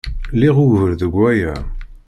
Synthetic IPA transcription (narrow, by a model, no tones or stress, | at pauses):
liʁʊʝvəɾðəɡʷːæjæ